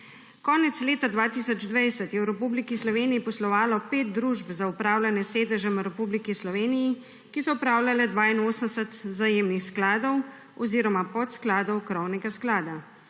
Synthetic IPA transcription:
kɔːnɛt̪sleːt̪ad̪ʋaːt̪isɔd͡ʒd̪ʋɛjsɛt̪jɛwɾɛpublikislɔʋeːnijipɔslɔʋaːlɔpeːt̪̚d̪ɾuʒbzaupɾaːwlʲanjɛseːd̪ɛʒɛmɾɛpublikislɔʋeːniji | kisɔupɾaːwlʲjʲalɛd̪ʋaːinoːsəmsɛt̪zajeːmnixsklaːd̪ɔw | ɔziːɾɔmapɔt̪sklaːd̪ɔwkɾɔwnɛɡasklaːd̪a

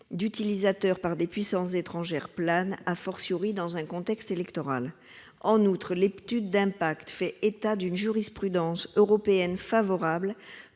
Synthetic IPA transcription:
d̪yt̪ilizat̪œʁpaʁd̪epɥisɑ̃szet̪χɑ̃ʒɛʁplanafɔʁsjuʁid̪ɑ̃zɛ̃kɔ̃t̪ɛkst̪elɛkt̪ɔʁal | ɑ̃nut̪χəlept̪yd̪ːɛ̃pakt̪fɛʔet̪ad̪ynʒyʁispχyd̪ɑ̃søʁɔpeɛnfavɔʁabl

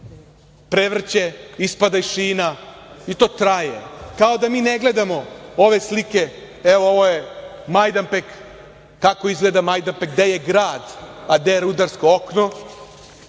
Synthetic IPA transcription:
pɾeʋr̩t͡ɕeispad̪aiʃiːnait̪o̞ːt̪ɾajḛkao̞d̪amiːneɡle̞d̪amo̞oʋe̞slike̞ | eʋooʋojemajd̪ampekː | ako̞izɡleːd̪amajd̪ampekd̪ejeɡɾaːd̪ad̪eɾud̪aɾskookno

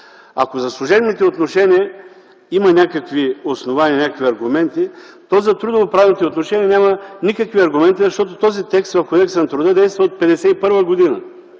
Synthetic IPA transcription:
a̰kozɐslˠʊʒɛbnit̪ɛot̪noʃɛniə | imɐnʲakəkviosnovaniɐnʲakəkvʲiɐɾɡʊmɛnt̪i | t̪ɔzɐt̪ɾud̪ovopɾavɛnit̪ɛot̪noʃɛnʲiənʲamɐnʲikəkviɐɾɡʊmɛnt̪izɐʃt̪ɔt̪ot̪ɔzit̪ɛkst̪vɐfkod̪ɛksɛnɐt̪ɾʊd̪əd̪ɛjst̪vɐot̪̚pɛd̪ɛsɛipɤɾvəɡod̪inɐ

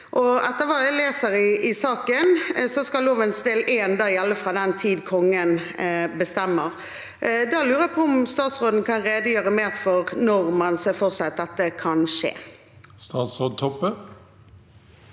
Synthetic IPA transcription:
ʔɔɛt̪ːəʋɑːæɪleːsəɾɪʔɪsɑːkənsɔskɑloːʋənsd̪eːleːnd̪ɑːjɛlːəfʁɑd̪ɛnt̪ʰiːd̪kʰɔŋːən | bəst̪ɛmːəʁ | d̪ɑːlʉːɾəæpʰɔʊmst̪ɑːt̪sʁoːd̪ən̩kʰɑnɾeːd̪əjøːʁəmeːʁfɔʁnɔʁmɑnsɛfɔʁsɛɑt̪̚d̪ɛt̪ːəkʰɑnʂḛː | st̪ɑːt̪sʁoːd̪̚t̪ʰɔpːə

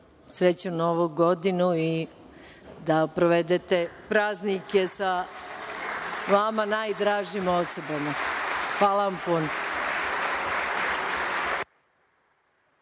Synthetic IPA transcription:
sɾet͡ɕunoʋuɡo̞d̪inui | d̪apɾoʋed̪et̪e̞pɾaːznike̞sa | ʋamanaːjd̪ɾaːʒiːmosobamaxʋaːlaʋampuno

